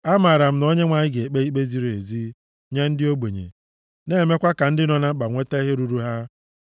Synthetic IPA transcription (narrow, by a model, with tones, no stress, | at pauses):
a˦ma˨ɾa˨m̩˦no˦ɲe˦ŋʷa˨ɲɪ˦ɡe˨k͡pe˦i˦k͡pe˦zi˦ɾe˨zi˦ | ɲe˦n̩˦dɪ˦o˦ɡ͡bo˨ɲḛ˨ | ne˦˨me˦kʷa˦ka˨n̩˦dɪ˦nɔ˨na˦k͡pa˨ŋʷe˦te˦ɦe˦ɾu˨˦ɾu˦ɦa˦